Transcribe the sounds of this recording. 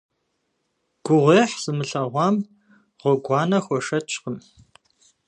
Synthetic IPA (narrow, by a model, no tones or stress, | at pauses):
ɡ̥ʷʊʁʷeːħz̥ɨmɨɬɐʁʷɑːm | ʁʷɔɡʷɑːnɐxʷɔʂɐt͡ʃʰʼqəm